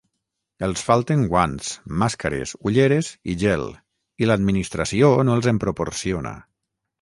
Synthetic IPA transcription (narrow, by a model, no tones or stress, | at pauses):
elˠsfalˠt̪eŋɡwansmaskaɾḛsuʎeɾeziʒɛl | ilad̪minist̪ɾasionoelˠzempɾopoɾsiona̰